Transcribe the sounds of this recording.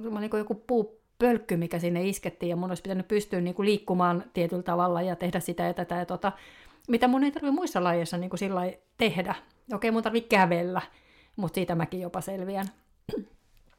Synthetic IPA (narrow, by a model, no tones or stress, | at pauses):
molniːŋkojokupuː | pølkːymikæsinːeisket̪ːiːjɑmunoispit̪ænyppyst̪yːniːkuliːkːumɑːnt̪iet̪ylt̪ɑʋɑlːɑjɑt̪ehdæssit̪æjɑt̪æt̪æjɑt̪ot̪ɑ | mit̪æmunːeit̪ɑrʋimuisːɑlɑjeisːɑniːŋkusilːɑit̪ehdæ | okeimunt̪ɑrʋikkæʋelːæ | mut̪siːt̪æmækijjopɑselʋiæn